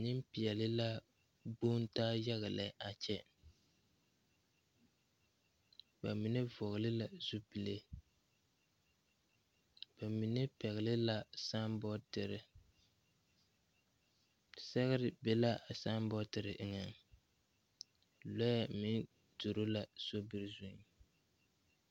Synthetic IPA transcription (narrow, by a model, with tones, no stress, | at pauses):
nɪ˦mpi˨ɛ˨lɪ˦la˦ | buː˦n˦taː˦ja˦ɣa˨lɛ˨˦ʔa˨t͡ʃɛ˦ | ba˨mi˨nɛ˦vɔ˨ɣɪ˨lɪ˦la˨zu˦pi˨le˦ | b̥a˨mi˨nɛ˦pɛ˨ɣɪ˨lɪ˦la˦sa˦mbɔ˦tɪ˨ɾɪ˨ | sɛ˦ɣɪ˦ɾɪ˦bɛ˦la˦a˨sa˦mbɔ˦tɨ˨ɾɨ˨ʔɨ˨ŋa˨ŋ | lɔ˦ja˦mi˦n | tu˨ɾo˦la˨so˦bɨ˨ɾzʊ˦ŋ